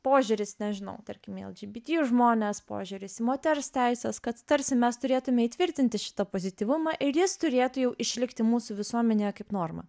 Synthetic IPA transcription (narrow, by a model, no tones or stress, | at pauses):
poːʒʲʊːɾʲɪsnʲɛʒʲɪnɐ̰ʊt̪ɐɾʲkʲɪmɛ̰lˠd͡ʒʲiːbʲɪt̪ʲijuʒmoːnʲeːspo̰ːʒʲʊːɾʲɪsɪmoːt̪ʲɛɾst̪ʲɛɪsʲɛskɐt̪t̪ɐɾʲsʲɪmʲɛst̪ʊɾʲeːt̪ʊmʲɛiːt̪ʲʋʲɪɾʲt̪ʲɪnʲt̪ʲɪʃʲɪ̥t̪ɐpoːzʲɪt̪ʲiːʋʊmɐʔɪɾjɪst̪ʊɾʲeːt̪ʊjɛʊʔɪʃʲlʲɪkt̪ʲɪmuːsuːʋʲɪsuɔmʲɛnʲeːjɛkɐɪpnoːrmɐ̰